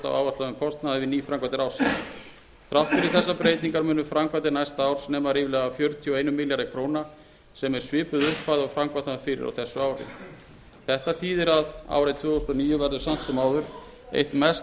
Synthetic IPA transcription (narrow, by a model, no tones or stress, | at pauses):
t̪a̰wa̰ːwvat̪laðʏmkʰɔst̪naðɪvɪniːfɾaŋkvat̪ɪɾawsi | θɾawht̪fɪɾɪɾ̥θɛsːapɾeːjt̪niŋkaɾmʏːnʏfɾamkvat̪̬ɪnajst̪aaːwɾ̥snɛːmaɾiːvɪlɛːɣafjœɾt̪ʰiɔejnʏmɪljaɾɪkʰɾoːwna | sɛmɛɾ̥svɪːpʏðʏhpːaðʏafɾamkvaht̪afɪɾɪ̰ɾa̰wθɛsːʏaːwɾɪ̰ | θɛht̪aθʰiːðɛɾaða̰ːwɾɛjt̪ʰvʏːθost̪ɔniːjʏvɛɾðʏsam̥t̪ʏmaːwðʏɾ̥ | ḛjht̪mɛs